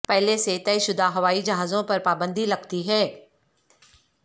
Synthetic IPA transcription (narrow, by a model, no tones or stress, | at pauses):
pɛɦleset̪ɛːʃʊd̪aɦɐʋaːid͡ʒɐɦaːzõpɐɾpaːbə̃nd̪ʱilɐɡt̪iɦɛː